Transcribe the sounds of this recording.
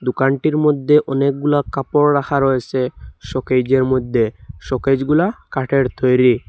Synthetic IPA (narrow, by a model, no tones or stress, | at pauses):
d̪ukanʈiɾmod̪ʱːeʔɔnek̚ɡulakapoɾːakʰaɾoet͡ɕʰeʃɔked͡ʑeɾmod̪ʱːeʃɔked͡ʑɡulakaʈeɾt̪ojɾi